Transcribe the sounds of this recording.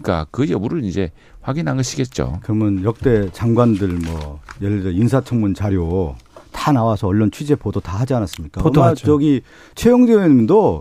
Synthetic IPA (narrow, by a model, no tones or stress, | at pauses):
k͈a̰kɯʌmuɾɯind͡ʑe̞ | ɸwaɡinɦaŋɡʌɕʰiɡe̞t̚t͡ɕ͈o̰kɯɾʌmjɯnjʌk̚t͈e̞t͡ɕaŋɡwandɯɭmwʌ̰jelːd͡ʑʌinsʰat͡ɕʰʌŋmunt͡ɕaɾjotanawasʰʌːɭːont͡ɕʰɥid͡ʑe̞podotahad͡ʑianas͈ɯmɲik͈aʌmat͡ɕʌɡi | t͡ɕʰwejoŋdemdo